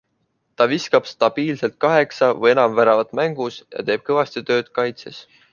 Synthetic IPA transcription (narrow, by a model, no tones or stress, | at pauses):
t̪ɑviskɑb̥st̪ɑb̥iːlse̞lt̪̚kɑɦe̞ksɑvɤje̞nɑmvæɾɑvɑt̪ˑmæŋɡ̥usjɑ̰t̪e̞ːb̥̚kɤvɑst̪it̪ø̞ːd̪̥kɑjt̪ses